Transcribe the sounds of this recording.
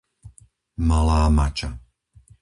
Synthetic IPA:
malaːmat͡ʃʼa

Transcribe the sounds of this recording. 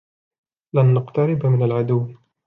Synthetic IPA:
lanːaqt̪aɾɪbmɪnalʕad̪ʊwː

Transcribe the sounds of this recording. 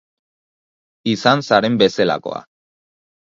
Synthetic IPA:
isansaɾe̞mbe̞se̞la̰ko̞̰a̰

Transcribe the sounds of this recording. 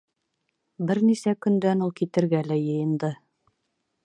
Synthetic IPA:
bɘɾnisækɵ̆nd̪ænulˠkit̪ɘ̆ɾɡælæjɤ̆jɤ̆nd̪ɤ

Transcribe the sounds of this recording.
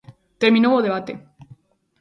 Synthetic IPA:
t̪eɾmĩnowoðeβ̞at̪ḛ

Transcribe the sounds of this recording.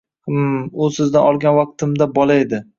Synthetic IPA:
mʊsɪzd̪anɒlˠɡʲanvɑq̚t̪ʰɪmd̪abɒlaed̪ɪ

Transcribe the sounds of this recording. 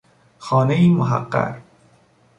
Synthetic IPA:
xɒːnejimʊɦa̰qːa̰ɾ

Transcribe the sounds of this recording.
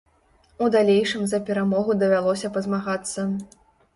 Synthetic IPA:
ud̪alʲejʂɨmzɐpʲɛɾamɔɣud̪ɐvʲalˠɔsʲɐpɐzmaɣat̪sːɐ

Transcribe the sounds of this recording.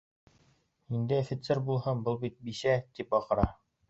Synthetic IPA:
ind̪ɘfĭt̪sɘɾbulˠhɤmbɤlˠbit̪̚biʃæt̪ipɑqɤ̆ɾɑ

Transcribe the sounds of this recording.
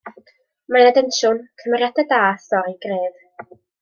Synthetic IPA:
manadɛnʃʊnkʰəmɛɾjadadaːsɔɾeɡreːð

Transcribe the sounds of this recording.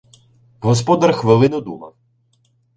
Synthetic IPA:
ɦɔspɔd̪ɐrxʋɪlˠɪnʊd̪ṵmɐw

